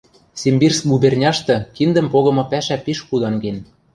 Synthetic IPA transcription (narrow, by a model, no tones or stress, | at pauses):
sʲembirsbubernʲɑʃt̪ɤ̆kind̪ə̆mpoɣɤ̆mɤ̆pæʃæpeʃkud̪ɑŋɡen